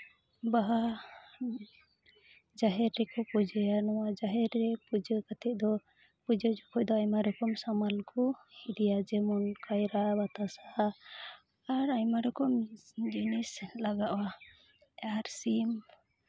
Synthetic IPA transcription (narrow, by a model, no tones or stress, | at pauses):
baɦa | d͡ʒaɦɛɾːɛkɔpud͡ʒɛjanɔwad͡ʒaɦɛɾːɛpud͡ʒəkat̪ɛʔ̚d̪ɔ | pud͡ʒəd͡ʒɔkʰɔʔ̚d̪ɔajmaɾɔkɔmsamalkɔid̪ijad͡ʒɛmɔnkʰajɾabat̪asa | ɾajmaɾɔkɔmd͡ʒinislaɡaʔwa | aɾsim